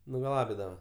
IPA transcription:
nʊɡɐˈlˠɑːbʲɪdɐʋɐ

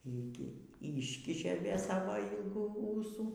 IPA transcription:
ˈiː ɡʲɪ ˈiːʃʲkʲɪʃʲeː ˈʋʲeː ˈsɑːʋoː ˈiːlˠɡuː ˈuːsuː

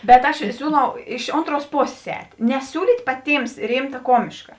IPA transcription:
bʲɛt ˈɐʃ ˈsʲuːˌlˠɐʊ ɪʃ ˈoːntˌruɔs ˈpoːsʲeːs ˈɛːtʲ nʲɛˈsʲuːlʲiːtʲ pɐˈtʲiːms ˈrʲɪmtɐ ˈkoːmʲɪʃkɐ

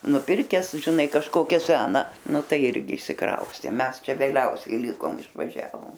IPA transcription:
nʊˈpʲɪrʲkʲɛs ʒʲɪˈnɐɪ kɐʃˈkoːkʲæː ˈsʲæːnɐ ˈnʊ ˈtɐɪ ˈɪrʲɡʲɪ ɪʃʲsʲɪˈkrɐʊsʲtʲeː ˈmʲɛs ˈt͡ʃʲɛ ʋʲeːˈlʲɛʊsʲɛɪ ˈlʲɪkoːm ɪʃʋɐˈʒʲæːʋoːm

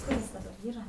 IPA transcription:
ˈkʊr ɪs dɐˈbɐr ˈiːrɐ

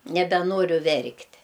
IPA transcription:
nʲɛbʲɛˈnoːrʲʊ ˈʋʲɛrktʲ

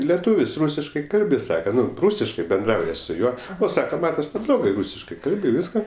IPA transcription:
lʲɛˈtuːʋʲɪs ˈruːsʲɪʃkɐɪ ˈkɐlʲbʲɪ ˈsɑːkɐ ˈnʊ ˈruːsʲɪʃkɐɪ bʲɛnˈdrɐʊjɛ sʊ ˈjuɔ ˈoː ˈsɑːkɐ ˈmɑːtɐs nʲɛblˠˈoːɡɐɪ ˈruːsʲɪʃkɐɪ ˈkɐlʲbʲɪ ˈʋʲiːskɐ

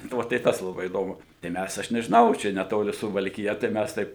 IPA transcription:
nʊ ˈʋɐ tɐɪ ˈtɐs lˠɐˈbɐɪ iːˈdoːmʊ tɐɪ ˈmʲæs ˈɐʃ nʲɛʒʲɪˈnɐʊ ˈt͡ʃʲɛ nʲɛˈtoːlʲɪ sʊʋɐlʲkʲɪˈjɛ tɐɪ ˈmʲæs ˈtɐɪp

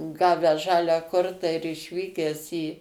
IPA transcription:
ˈɡɑːʋʲæːs ˈʒɑːlʲæː ˈkoːrtɑː ɪr ɪʃʲˈʋʲiːkʲæːs iː

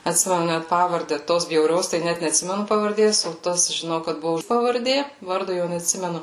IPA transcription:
ɐtʲˈsʲɪmʲɛnʊ ˈnʲæt ˈpɑːʋɐrʲdʲɛ ˈtoːs bʲjɛʊˈrʲoːs tɐɪ ˈnʲæt nʲɛtʲˈsʲɪmʲɛnʊ pɐʋɐrʲˈdʲeːs oː ˈtɐs ʒʲɪˈnɐʊ kɐt ˈbʊʋoː pɐʋɐrʲˈdʲeː ˈʋɐrdoː jɛʊ nʲɛtʲˈsʲɪmʲɛnʊ

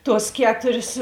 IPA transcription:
ˈtuɔs ˈkʲæːtʊrʲeːs

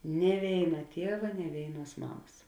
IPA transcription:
nʲiɛ ˈʋʲeːɪnɐ ˈtʲiɛʋɐ nʲiɛ ˈʋʲeːɪnˌuɔs ˈmɑːmɐs

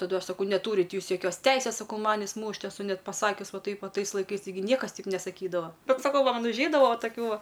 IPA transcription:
tɐˈdʊ ˈɐʃ sɐˈkɐʊ nʲɛˈtuːrʲɪtʲ ˈjuːs joːˈkʲoːs ˈtʲɛɪsʲeːs ˈsɑːkɐʊ ˈmɑːnʲɪs ˈmuːʃʲtʲ ɛˈsʊ ˈnʲɛt pɐˈsɑːkʲʊs ˈʋɐ ˈtɐɪp ʋɐ ˈtɐɪs lˠɐɪˈkɐɪs tɐɪˈɡʲɪ ˈnʲiɛkɐs ˈtʲɛɪp nʲɛsɐˈkʲiːdɐʋɐ ˈbʲɛt sɐˈkɐʊ ʋɐ ˈmɐn ʊʒʲˈɛɪdɐʋɐ ʋɐ tɐˈkʲuː ˈʋɐ

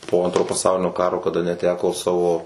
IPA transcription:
poː ˈɐntroː pɐˈsɐʊlʲɪnʲoː ˈkɑːroː kɐˈdɐ nʲɛˈtʲæːkoː ˈsɑːʋoː

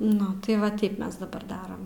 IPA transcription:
ˈnʊ tɐɪ ˈʋɐ ˈtʲɛɪp ˈmʲɛs dɐˈbɐr ˈdɑːrɐm

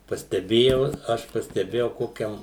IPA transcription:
pɐsʲtʲɛˈbʲeːjɛʊ ˈɐʃ pɐsʲtʲɛˈbʲeːjɛʊ ˈkoːkʲɛm

